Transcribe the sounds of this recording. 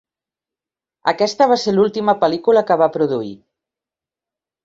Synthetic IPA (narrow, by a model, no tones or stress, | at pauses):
əkɛst̪əβaselulˠt̪iməpəlikuləkəβapɾuðuḭ